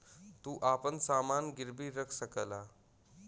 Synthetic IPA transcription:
t̪uːʔapənsamanɡiɾbiːɾəkʰsəkəla

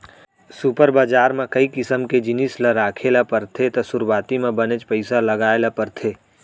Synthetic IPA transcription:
supəɾbaːd͡ʒaːɾmẽkəikɪsəmked͡ʒɪnisləɾaːkʰelapəɾt̪ʰet̪ɔsʊɾwaːt̪imẽbənet͡ʃpəɪsaləɡaːelapəɾt̪ʰeː

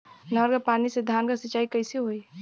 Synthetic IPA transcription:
nɔɾkapaːnised̪ʱaːnkasət͡ʃaːikəɪseɦoi

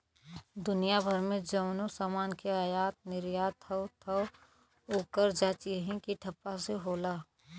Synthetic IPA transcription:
d̪ʊnijabʱəɾmẽd͡ʒəːnusaːmaːnkeaːjaːt̪̚nɪɾjaːt̪ʰəwt̪ʰəw | oːkəɾd͡ʒaːt͡ʃiɦĩkiʈʰɐpːaseɦoːlaː

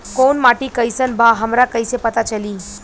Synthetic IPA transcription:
konmaːʈikəjsənbʱaɦəmɾakəjsepət̪at͡ʃəliː

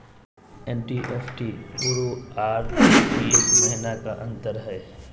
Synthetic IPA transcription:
ɛnʈiʔeːfʈiːpuːɾoaːɾikieːkmɛɦnakaʔɐ̃nt̪əɾɦɛː

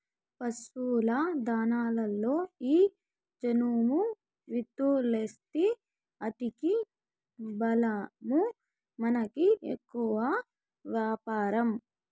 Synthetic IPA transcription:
pɐsʋuːlɐd̪aːnaːlɐlːo̞ːiː | d͡ʒɐnuːmu | ʋit̪ːulest̪i | ɐt̪iki | bɐlɐmu | mɐnɐkiḛkːuʋɐ | ʋjaːpaːɾɐm

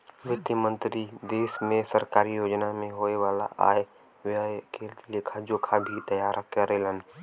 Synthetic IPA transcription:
ʋɪt̪jəmə̃nt̪ɾid̪eːsmẽsəɾkaːɾijoːd͡ʒnamẽɦoːeʋaːla̰ʔa̰ːe | ʋaekeːlt̪lekʰad͡ʒoːkʰabʱit̪ɐjaːɾʔakəɾelən

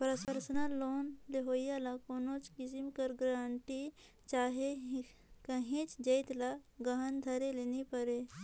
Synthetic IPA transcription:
pɾəspəɾsnaloːnleɦoːjalakoːnõt͡ʃkɪsimkəɾɡɾaːɳʈi | t͡ʃaːɦe | kɐɦẽt͡ʃd͡ʒɐjt̪laɡɐɦənd̪ʱɐɾeleːnipəɾe

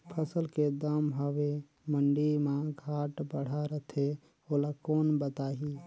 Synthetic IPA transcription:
pʰəsəlked̪əmɦɔʋe | məɳɖimaɡʱaʈbəɽ̤aɾət̪ʰe | olakoːnbət̪aɦi

